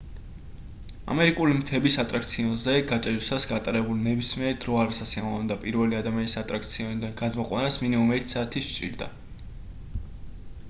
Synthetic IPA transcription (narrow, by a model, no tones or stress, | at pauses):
a̰mɛɾikʼulimt̪ʰɛbisat̪ʼɾakʰt̪sʰiɔnzɛɡat͡ʃʼɛɾsasɡat̪ʼaɾɛbulnɛbismiɛɾd̪ɾɔaɾasasiamavɛnd̪apʼiɾvɛliad̪amianisat̪ʼɾak̚ʰt̪sʰiɔnid̪anɡad̪mɔqʼwa̰nasminimumɛɾt̪ʰsaːt̪ʰist͡ʃʼḭɾd̪a̰